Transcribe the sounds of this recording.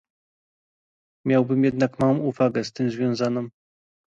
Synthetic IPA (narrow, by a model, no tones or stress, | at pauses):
mʲjawbɘmjɛd̪nakmawɔ̃uvaɡɛst̪ɘmzvʲjɔ̃w̃zanɔ̃m